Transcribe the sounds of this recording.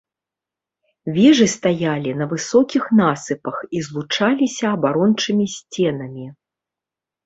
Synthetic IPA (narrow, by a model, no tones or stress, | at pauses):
vʲɛʐɨst̪ajalʲinɐvɨsɔkʲixnasɨpɐxizlˠut͡ʂalʲisʲɐːbaɾɔnt͡ʂɨmʲisʲt͡sʲɛnɐmʲi